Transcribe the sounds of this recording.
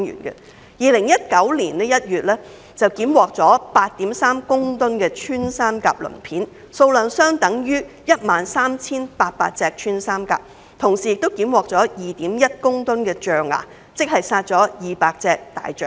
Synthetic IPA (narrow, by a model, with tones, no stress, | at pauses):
ŋjy̰ː˨˩nkɛ̰˧ | jiː˨lɪ˨˩ŋjɐ˥t̚kɐ˨˥wliː˨˩nɛ˥jɐ˥t̚jyː˨t̚lɛː˥ | t͡sɐ˨wkiː˨˥mwɔː˨k̚t͡sɔː˨˥paː˧t̚t̪iː˨˥msaː˥mkʊ˥ŋt̪ʊ˥nkɛː˧t͡ʃʰyː˥nsaː˥mka̰ː˧p̚lɵ̰˨˩ŋpʰiː˨˥n | so˧wlœː˨˧nsœː˥ŋt̪ɐ˨˥ŋjyː˥ | jɐ˥t̚maː˨nsaː˥mt͡sʰiː˥npaː˧t̚pa̰ː˧t̚t͡sɛː˧k̚t͡ʃʰyː˥nsaː˥mka̰ː˧p̚ | t̪ʰʊ˨˩ŋsiː˨˩jɪ˨k̚t̪o˥wkiː˨˥mwɔː˨k̚t͡sɔː˨˥jiː˨t̪iː˨˥mjɐ˥t̚kʊ˥ŋt̪ʊ˥nkɛː˧t͡ʃœː˨ŋa̰ː˨ | t͡sɪ˥k̚hɐ˨jsaː˧t̚t͡sɔː˨˥jiː˨˩paː˧k̚t͡sɛː˧k̚t̪a̰ː˨jt͡ʃœ̰ː˨